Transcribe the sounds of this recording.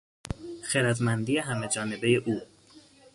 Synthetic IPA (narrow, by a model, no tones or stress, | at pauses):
xeɾæd̪mænd̪iːjeɦæmed͡ʒɒːne̞bejeʔuː